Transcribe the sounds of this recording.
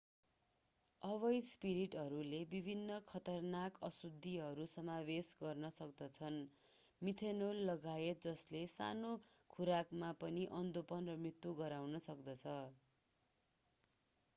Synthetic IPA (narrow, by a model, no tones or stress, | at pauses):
ʌβʌjspiɾiʈɦʌɾulebibʱinːʌkʰʌt̪ʌrnakʌsud̪ʱːiɦʌɾusʌmabesɡʌrnʌsʌk̚d̪ʌt͡sʰʌn | mit̪ʰenolːʌɡaet̪̚d͡zʌslesa̰no | kʰuɾakmapʌniʔʌnd̪opʌnrʌmrit̪wuɡʌɾawnʌsʌkd̪ʌt͡sʰʌ